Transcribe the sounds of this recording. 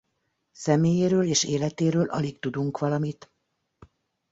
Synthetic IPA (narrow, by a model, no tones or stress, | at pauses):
sɛmeːjeːɾøːleːʃeːlɛt̪eːɾøːlʔɒ̰likt̪ud̪uŋkʋɒlɒmit̪